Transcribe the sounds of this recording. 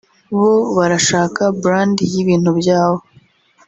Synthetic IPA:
βo̞βaɾaʃaːkabɾaːndijiβiːn̥hubjaːβo̞

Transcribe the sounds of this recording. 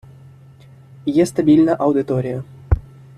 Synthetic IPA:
jest̪abʲilʲnəʔawd̪it̪oɾʲijə

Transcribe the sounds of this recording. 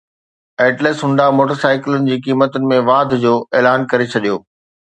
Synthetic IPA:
eːʈleːsɦʊ̃ɳɖamoːʈəɾsaːɪklʊnɪ̆d͡ʑiːkiːmət̪ʊnɪ̆mẽʋaːd̪ʱd͡ʑoːʔeːlaːnkɐɾet͡ɕʰɐɗijoː

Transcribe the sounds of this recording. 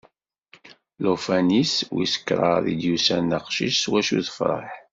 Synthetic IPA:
lofæniswḭsə̥kːɾˤɑ̰ɾˤḭd̪jusænəqʃiʃswæʃuθə̥fɾˤɑ̰ħ

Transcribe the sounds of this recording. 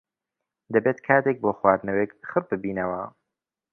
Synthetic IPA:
d̪ɐbeːt̪kʰaːt̪ek̚boːxwaːd̪nɐweːkxɨɾ̚bɨbiːnɐwɐ

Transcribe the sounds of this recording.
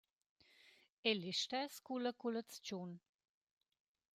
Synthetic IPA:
eliʃt̪ɛskuləkulət͡st͡ʃun

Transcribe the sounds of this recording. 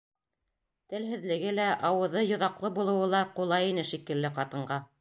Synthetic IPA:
t̪ɘ̆lɦɘ̆ðlɘ̆ɡɘlæʔɑwɤ̆ðɤjŏðɑqlˠɤbulˠɤ̆wɤlˠɑqulˠɑjinɘʃikɘ̆lːɘqɑt̪ɤ̆ɴɢɑ

